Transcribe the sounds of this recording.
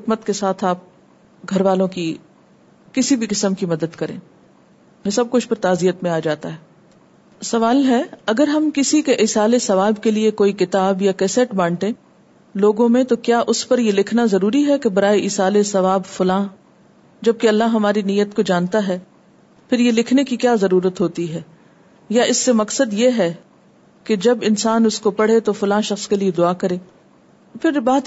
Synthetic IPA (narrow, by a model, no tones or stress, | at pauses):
ɪkmət̪kesaːt̪ʰaːp̚ | ɡʱɐɾʋaːlõki | kɪsibʱikɪsəmkimɐd̪əd̪kɐɾḛ̃ː | jesɐb̚kʊt͡ʃʰpɐɾt̪aːzijət̪mẽaːd͡ʒaːt̪aɦɛː | sɐʋaːlɦɛɐɡəɾɦɐmkɪsikeʔɪsaːlesɐʋaːbkeliekoːikɪt̪aːbjakɛːsɛʈbãːɳʈẽː | loːɡõmẽt̪okjaːʔʊspɐɾjelɪkʰnazɐɾuːɾiɦɛkebɐɾaːeʔɪsaːlesɐʋaːbfʊlãː | d͡ʒɐb̚keɐlːaɦɦɐmaːɾiniːjːət̪̚kod͡ʒaːnt̪aɦɛː | pʰɪɾjelɪkʰnekikjaːzɐɾuːɾət̪ɦoːt̪iɦɛː | jaʔɪsːemɐksəd̪jeɦɛː | ked͡ʒɐbɪnsaːnʊskopɐɽ̤et̪ofʊlãːʃɐxskelied̪ʊaːkɐɾẽː | pʰɪɾbaːt̪